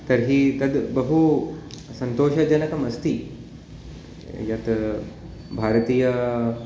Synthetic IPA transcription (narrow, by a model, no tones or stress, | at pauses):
t̪ɐɾɦit̪ɐd̪bɐɦu | sɐnt̪oːʃɐd͡ʒɐnɐkɐmɐst̪ʰi | jɐt̪ | bʱaːɾt̪iːjɐ